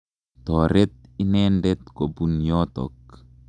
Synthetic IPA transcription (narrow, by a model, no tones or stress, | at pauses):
t̪ɔɾɛt̪̚inɛndɛt̪̚kobunjɔt̪ɔ̰k